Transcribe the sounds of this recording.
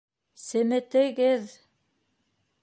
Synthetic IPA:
sɘ̆mɘ̆t̪ɘ̆ɣɘð

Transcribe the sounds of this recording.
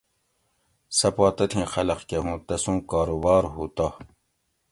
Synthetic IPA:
sɐpaːt̪ɐt̪ʰĩːxɐlɐqkeɦũːt̪ɐsũːkaːɾubaːɾɦuːt̪a

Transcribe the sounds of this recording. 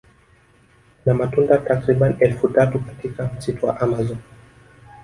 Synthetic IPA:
namatundatakɾiɓaniʔɛlfutatukatikam̩sitɔwa̰ʔamazɔn

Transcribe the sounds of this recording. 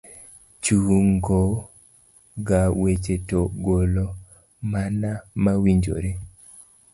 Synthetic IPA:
t͡ʃuŋɡo | ɡawet͡ʃetoɡolo | manamawiɲd͡ʒo̰ɾe

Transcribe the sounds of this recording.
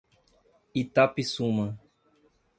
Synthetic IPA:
it̪apisumɐ̃

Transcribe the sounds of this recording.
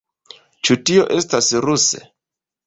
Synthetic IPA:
t͡ʃutio̞ʔe̞stasɾusḛ

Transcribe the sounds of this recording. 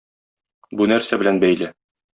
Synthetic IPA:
bunæɾsæbɘ̆lænbæjlɘ

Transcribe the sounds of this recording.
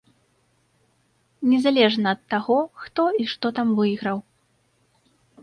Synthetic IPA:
nʲɛzalʲɛʐnɐːt̪ːaɣɔxt̪ɔiʂt̪ɔt̪amvɨjiɣɾɐw

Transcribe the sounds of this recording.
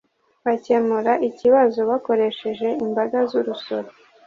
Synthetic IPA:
βace̞muɾaʔiciβazo̞βako̞ɾe̞ʃe̞ʒe̞imbaɡazuɾuso̞ɾe

